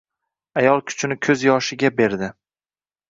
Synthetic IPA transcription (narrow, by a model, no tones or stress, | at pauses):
ajɒlˠkʲʰʊ̥t͡ʃʰɪnɪkʲʰɵzjɒʃɪɡʲabe̞ɾd̪ɪ